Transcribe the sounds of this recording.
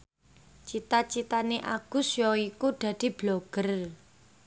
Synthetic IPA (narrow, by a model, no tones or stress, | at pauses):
t͡ʃit̪at͡ʃit̪aneʔa̰ɡ̥ṳsjɔikud̪̥ä̤d̪̥i̤b̥loɡ̥ər